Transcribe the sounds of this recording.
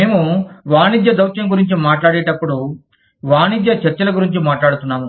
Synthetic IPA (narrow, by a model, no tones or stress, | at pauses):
eːmuʋaːnid̪jɐd̪ɐwʃɐŋɡuɾiɲt͡ʃimaːʈlaːɽɛːʈɐpːuɽu | ʋaːnid̪jɐt͡ʃɐɾt͡ʃɐlɐɡuɾiɲt͡ʃimaːʈlaːɽut̪unːaːmu